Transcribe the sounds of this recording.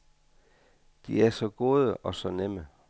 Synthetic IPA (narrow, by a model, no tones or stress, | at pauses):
d̥iæɐsɒ̽ɡ̥o̝ːð̞ˠəʔɒ̽sɒ̽nemə